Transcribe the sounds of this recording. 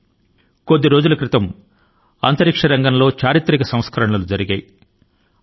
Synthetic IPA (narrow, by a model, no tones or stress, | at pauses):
ko̞d̪ːiɾo̞ːd͡ʒulɐkɾit̪ɐm | ɐ̰nt̪ɐɾikʂɐɾɐŋɡɐnlo̞ːt͡ʃaːɾit̪ɾikɐsɐ̃mskɐɾɐɳɐlud͡ʒɐɾiɡɐji